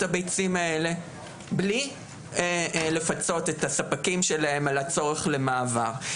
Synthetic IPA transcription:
tabejt͡simae̞le̞ | bli | le̞fat͡so̞t̪e̞tasapakimʃe̞lae̞malat͡so̞ʁe̞χle̞maːvaʁ

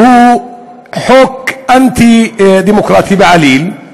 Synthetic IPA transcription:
huː | ħoːkʔant̪id̪iːmʊkɾˤɑːt̪ibɪʕaliːl

